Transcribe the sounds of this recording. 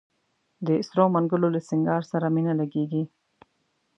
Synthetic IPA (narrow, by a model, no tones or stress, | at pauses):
d̪əɪsɾomaŋɡʊlolasɪŋɡɑɾsaɾaminalaɡeɡi